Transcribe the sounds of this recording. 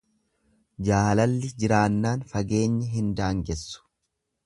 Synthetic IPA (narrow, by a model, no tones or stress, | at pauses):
d͡ʒaːlɐlːɪd͡ʒɪɾaːnːaːnfɐɡe̞ːɲːɐɦɪnd̪aːŋɡɛsːʊ̥